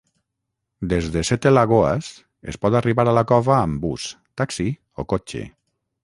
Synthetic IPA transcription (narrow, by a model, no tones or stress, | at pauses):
d̪ezðesɛt̪elaɣ̞oa̰s | ḛspɔt̪ariβaɾalakɔvaːmbus | t̪aksi | okot͡ʃḛ